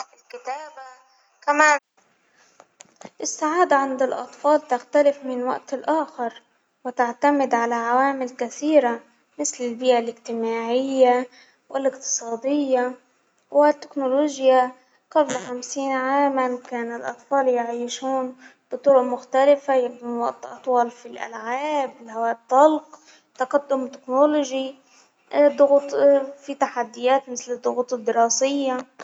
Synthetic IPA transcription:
ɪlkɪt̪aːba | kamaː | ʔɪsːaʕaːd̪aʕand̪ɪlʔɑ̰t̪ˤfɑːlt̪axt̪alɪfmɪnwa̰ʔt̪ɪlʔaːxɪɾ | wɪt̪aʕt̪amɪd̪ʕalaʕawaːmɪlkaθiːɾa | mɪθlɪlbɪːʔalɪɡt̪ɪmaːʕɪjːa | wɪlʔɪqt̪ɨ̥sˤɑːd̪ɪjːa | wɪt̪ːɪknoloːʒja | qablxamsiːnʕaːmankaːnɪlʔɑt̪ˤfɑːljaʕiːʃuːnb̥ɨt̪ˤʊɾʊʔmʊxt̪alɪfajakunɑʔt̪ʔɑ̰t̪ˤwɑːlfilʔa̰lʕaːbɪlhawaːʔt̪ˤːɑlq | t̪aqad̪ːʊmt̪ɪ̥knolʊʒi | d̪ˤʊɣt̪ˤfit̪aħad̪ːɪjaːt̪mɪθlɨd̪ˤːʊɣuːt̪ˤɨd̪ːɪɾɑːsɪjːa

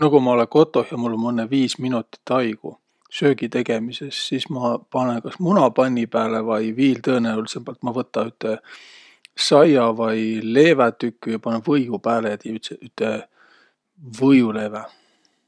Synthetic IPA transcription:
nɑɡ̥umɑo̞leko̞t̪ːˑo̞hjɑmulːo̞nmɤnːeviːsminut̪ːˑi̥t̪ːˑɑjkṵ | sø̞ːɡ̥it̪e̞ɡ̥e̞mise̞sːismɑpɑnenkɑsmunɑpɑnʲːipæːlevɑjviːlt̪ɤːneulisemb̥ɑlt̪mɑvɤt̪ːˑɑyt̪ːˑe̞ | sɑjɑvɑjle̞ːvæt̪ykːyjɑpɑnevɤjɡupæːlejɑt̪eyt̪seʔyt̪ːˑe | vɤjule̞ːvæ

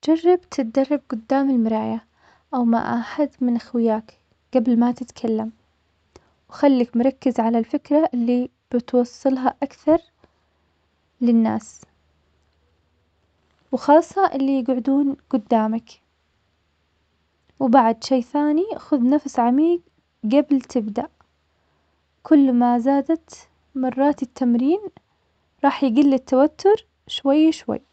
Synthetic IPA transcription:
d͡ʒɑrˤːɑbt̪ʰɪt̪̚d̪ɑrˤːɑb̚ɡʊd̪ːaːmɪlmɪɾˤɑːja | ʔawma̰ʔa̰ħad̪mɪnʔaxwɪjaːk | ɡ̥ablmat̪ɪt̪kʰalːam | wxalːakmʊɾˤɑkːɪzʕalalfɪkɾaʔɪlːi | b̥ɪt̪wɑsˤːɨlɦaʔakθɑɾˤ | lɪnːa̰ːs | wxɑːsˤːɑʔɪlːijɪɡʕʊd̪uːnɡ̥ʊd̪ːaːmak | wbaʕd̪ʃeːθaːniʔxʊðnafsʕamiːɡ | ɡabɪlt̪ʰɪbd̪aʔ | kʰʊlːmazaːd̪at̪ | mɑrˤːɑːt̪ɪt̪ʰːamɾiːn | ɾˤɑːħjɪɡɪlːɪt̪ːawat̪ːʊɾ | ʃwajːʃwa̰jː

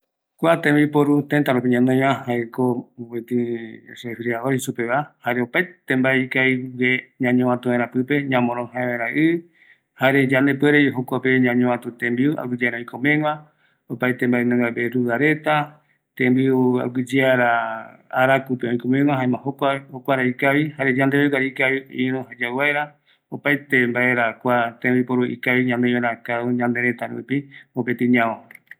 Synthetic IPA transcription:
kʷat̪ẽmbipoɾut̪ent̪aɾopiɲãnõj̃βãhaekowet̪ɨ̃sefɾiaoisupeβahaɾeopajt̪ẽmbaeikaiweɲãɲõãt̪ũẽɾ̃apɨpe̞ɲãmõɾ̃õhãẽβaɾaʔɨ | haɾed͡ʒanepeɾeɦokʷapeɲãɲõãt̪ũt̪ẽmbiua̰wɨd͡ʒeaɾaõj̃komẽwã | opajt̪e̞mbaenẽŋabeɾuðaɾe̞t̪a | t̪ẽmbiua̰wɨd͡ʒeaɾaaɾakupeõĩkõmẽŋãɦaẽmãhokʷahokʷaɾaikaβihaɾed͡ʒãnd̪e̞βeɡaɾikaiĩɾõhad͡ʒawaeɾa | opajt̪e̞mbae̞ɾakʷat̪ẽmbipoɾuʔḭkaiɲãnd̪eoɾakauɲãnd̪e̞ɾe̞t̪aɾṵpiopet̪iɲão

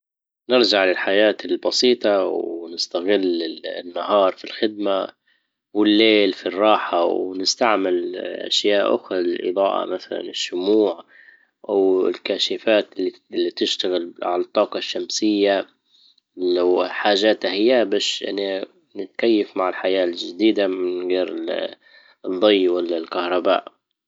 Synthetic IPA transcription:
nɪɾd͡ʒaʕlɪlħajaːt̪ɪlbɑsiːt̪ˤɑwnɪst̪aɣɪlːɪnːaɦɑːɾˤfilxɪd̪̚ma | wɪlːeːlfirˤːɑːħawnɪst̪aʕmɪlʔa̰ʃjaːʔʔʊ̰xɾˤɑlɪlʔɨ̰d̪ˤɑːʔɑ̰maθala̰nɪʃːʊmuːʕ | ʔawɪ̰lkaːʃɪfaːt̪ɪlːi | lːit̪ɪʃt̪aɣɪlʕalɑt̪ˤːɑːqɑʃːamsɪjːa | wħaːʒaːt̪hahɪjːabaːʃʔɪ̰nːa | nɪt̪kajːafmaʕɪlħajaːlʒad̪iːd̪amɪnɣeːɾɪ | d̪ˤːɑjːwalːalkahɾˤɑba̰ːʔ

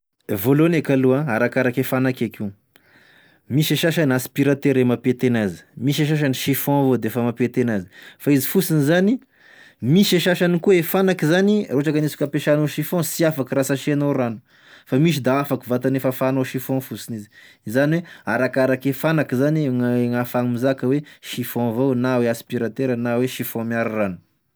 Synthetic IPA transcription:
volonekaluãaɾakaɾakefanakaki | miʃeʃaʃanaspiɾat̪eɾemapet̪enazi̥miʃeʃaʃ̬aniʃifɔ̃vod̪eefəmapet̪enazi̥faizifusinizani | miʃeʃaʃanikuefanakizaniroʈ͡ʂakanisu̥kʲapeʃanoʃifɔ̃siafakiɾasaʃenoranu̥ | famiʃ̬id̪aafakivat̪anefəfanoʃifɔ̃fusinizi | izaniweaɾakaɾakefanakizanŋŋafaŋmizakəweʃifɔ̃vonaweaspiɾat̪eɾənaweʃifɔ̃miaɾranu̥

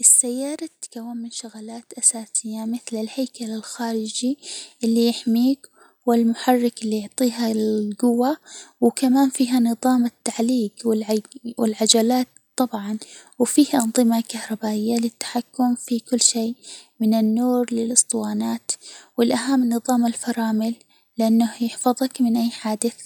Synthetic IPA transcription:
ʔɪsːajːɑːɾˤɑt̪ːkawːammɪnʃʊɣalaːt̪ʔasaːsɪjːamɪθlɪlhajkalɪlxaːɾɪd͡ʒiʔɪlːijɪħmiːk | wɪlmʊħɑrˤːɪkɪlːijʊʕt̪ˤiːɦaɡʊwːawkamaːnfiːɦanɨðˤɑːmɪt̪ːaʕliːɡwɪlwɪlʕad͡ʒalaːt̪t̪ˤːɑbʕɑnwfiːhʔɑnðˤɨmakahɾˤɑbaːʔɪjːalɪt̪ːḁħakːʊmfikʊlːʃeːmɪnɪnːuːɾlɪlʔɨst̪ˤɨwɑːnaːt̪wɪlʔaɦamːnɨðˤɑːmalfɑɾˤɑːmɪlː | ɪʔanːahjɪħfɑðˤɑkmɪnʔajːħaːd̪ɪθ

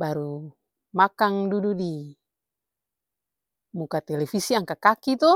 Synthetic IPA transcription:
baɾu | makaŋdududi | mukat̪ɛlɛfisiaŋkakakit̪ɔ

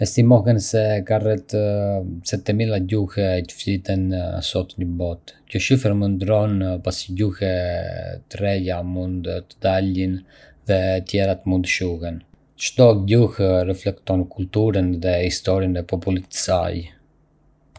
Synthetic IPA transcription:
ɛst̪imɔhɛnsɛkarɛt̪ | sɛt̪ɛmilˠaɟuhɛtə̥flit̪ɛnsɔt̪ɲəbɔt̪cɔʃifəɾmənd̪ɾɔnpasiɟuhɛ | t̪ɾɛjamund̪t̪əd̪alin | ðɛt̪jɛɾat̪əmund̪əʃuhɛn | ʃt̪ɔɟuhrɛflɛkt̪ɔnkult̪uɾənðɛhist̪ɔɾinɛpɔpulit̪sa̰j

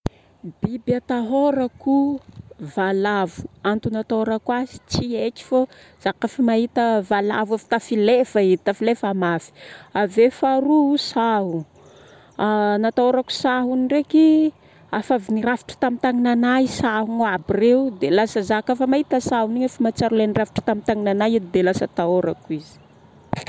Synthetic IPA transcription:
bibjat̪aɦoɾaku | valavu̥ant̪unat̪aoɾakwazi̥t͡sieki̥fo | z̥akafimaɦit̪əvala̰vafi̥t̪afilefait̪afilefamafi̥avefaɾusaɦu | anat̪aoɾaku̥saɦunireki | afavinirafi̥ʈ͡ʂḁt̪amit̪aŋinanajsaɦuŋabireud̪elasəzakafamaɦit̪əsaɦuniɲafimat͡saɾulenirafiʈ͡ʂə̥t̪amit̪aŋinanajid̪elasə̰t̪aoɾakwizi̥

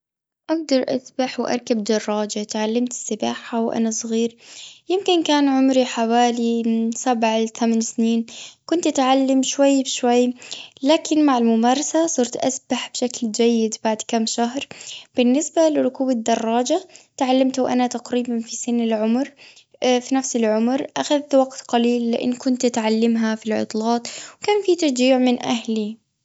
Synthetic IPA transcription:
ʔaɡ̚d̪ɑɾˤʔa̰sbaħwʔɑ̰ɾˤkab̚d̪ɑrˤːɑːd͡ʒat̪ʕalːamt̪ɪ̥sːɪbaːħawʔa̰nasˤɣiːɾjɪmkɪnkaːnʕʊmɾiħawaːlisabʕθamansniːnkʊnt̪ʔat̪ʕalːamʃwajːbʃwajːlaːkɪnmaʕalmʊmɑːɾˤɑsasˤɑɾˤt̪ʔasbaħb̥ʃakld͡ʒajːɪd̪baʕd̪kamːʃaɦɾˤb̥ɪnːɪsbalɪɾˤʊkuːbad̪ːɑrˤːɑːd͡ʒat̪ʕalːamt̪wʔa̰nat̪aqɾiːbanfisɪnːɪlʕʊmɾ | finafsɪlʕʊmɾʔaxaðt̪waɡt̪qaliːlːɪʔɪ̰nːkʊnt̪ʔat̪ʕalːɪmɦafilʕʊ̰t̪ˤlɑːt̪ˤwkaːnfit̪ɑɾˤd͡ʒiːʕmɪnʔaɦli

